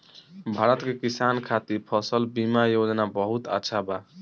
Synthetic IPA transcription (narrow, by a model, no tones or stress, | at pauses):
bʱaɾʌt̪kekisankʰat̪ipʰʌsʌlbimajod͡znabʌɦut̪a̰tːsʰaba